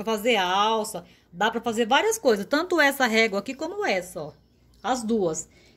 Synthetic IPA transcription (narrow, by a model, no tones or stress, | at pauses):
ɾɐfazeɾawsɐ | d̪apɾɐfazeɾvaɾiɐskojzɐst̪ɐ̃nt̪ʊɛsɐɦɛɡlɐakikõmʊɛsɐɔ | ɐzd̪uɐs